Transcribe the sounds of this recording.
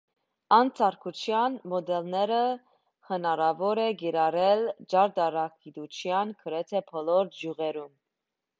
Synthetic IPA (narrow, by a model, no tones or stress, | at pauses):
ɑnt͡sʰɑɾkʰut͡ʃʰjɑnmɔd̪ɛlnɛɾə | hənɑɾɑvɔɾɛɡiɾɑɾɛld͡ʒɑɾd̪ɑɾɑkid̪ut͡ʃʰjɑnkʰəɾɛt̪ʰɛpʰɔlɔɾd͡ʒjuʁɛɾum